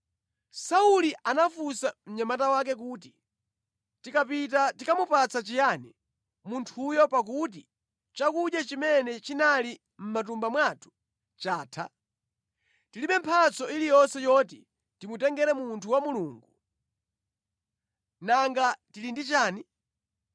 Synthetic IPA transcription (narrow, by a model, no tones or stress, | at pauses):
sauliʔanafusam̩ɲamatawak̬ɛk̬uːti | tikapitatikamupat͡sat͡ʃijani | muntʰujɔpak̬ut̬i | t͡ʃakuʄjat͡ʃimɛnɛt͡ʃinali | m̩mat̬umbamwatʰu̥ | t͡ʃaːtʰa | tiliɓɛmpʰat͡sɔilijɔnsɛjɔtḭ | timutɛŋɡɛɾɛmuntʰuwamuluːŋɡu | naŋɡatilindit͡ʃaːni